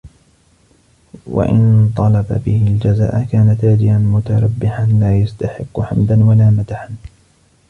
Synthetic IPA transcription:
wa̰ʔɪ̰nt̪ˤɑlɑba̰bɪhɪld͡ʒaza̰ːʔakaːnat̪aːd̪ɪʔanmʊt̪aɾˤɑbːɪħanlaːjast̪aħɪqːʊħamd̪anwalaːmat̪aħan

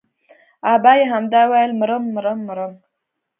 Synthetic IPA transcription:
abɑjeɦamd̪ɑwajlməɾəmːəɾəmːəɾəm

